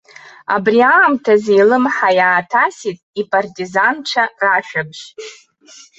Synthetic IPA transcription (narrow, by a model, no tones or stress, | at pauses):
a̰briaːmtʰazejlɨmħajaːtʰasitʼipʼartʼizanʈ͡ʂʰaraʃᶣabʒ̥